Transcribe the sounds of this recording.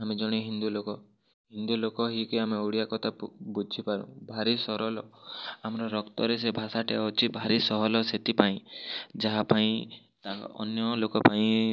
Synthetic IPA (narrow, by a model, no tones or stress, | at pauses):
amid͡ʒɔɽ̃iɦind̪ulokɔ | ɦind̪ulokɔɦikjameuɽijakɔt̪ʰabud͡ʒʱipaɾṵ̃bʱaɾisɔɾɔlɔamɔɾɔɾɔkt̪ɔɾesebʱasaʈeɔt͡ʃʰibʱaɾisɔɦɔlɔset̪ipaĩd͡ʒaɦapaĩ | t̪aɔ̰njɔlokɔpaĩ